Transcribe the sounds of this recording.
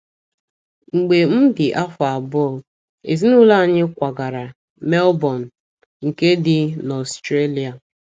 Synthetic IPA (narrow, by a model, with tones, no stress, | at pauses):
ŋ͡m̩˨ɡ͡be˨m̩˦dɪ˨ʔa˦fʊ˨a˨bʊ˦ɔ˨ | ḛ˨zi˦nu˦la˦˨ɲɪ˦kʷa˨ɡa˨ɾa˨ | me˦lbɔ˨n̩˨ | ŋ̩˨ke˦dɪ˨nɔ˨stɾe˦li˨a˨